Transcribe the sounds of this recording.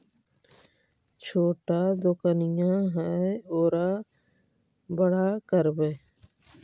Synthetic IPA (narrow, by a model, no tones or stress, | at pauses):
t͡ʃʰoːʈaːd̪ʊkənɪjãːɦɛeoːɾaː | bəɽaːkəɾbeː